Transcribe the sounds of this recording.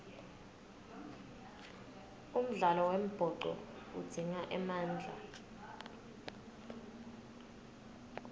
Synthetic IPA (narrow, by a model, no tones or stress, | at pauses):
um̩ɮalɔwem̩b̥ʱɔǃɔ̰ud̥ʱiŋaʔɛmaːnd͡ɮʱa̰